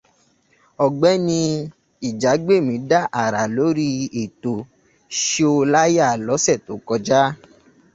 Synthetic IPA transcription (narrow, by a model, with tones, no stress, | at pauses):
ɔ˧˨ɡ͡bɛ˨˦nĩ˧ | i˨d͡ʒa˨˦ɡ͡be˦˨mĩ˨˦da˦˨ʔa˨ɾa˨lo˨˦ɾi˦e˨to˨ | ʃe˦o˧la˦ja˦˨lɔ˨˦sɛ˦˨to˨˦kɔ˧d͡ʒa˦